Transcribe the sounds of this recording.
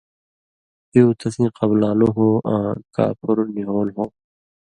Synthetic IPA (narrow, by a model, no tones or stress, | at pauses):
eːt̪ʰɐsĩːqɐblaːloːɦõːʔãːka̰ːpʊɾniɦoːlɦõː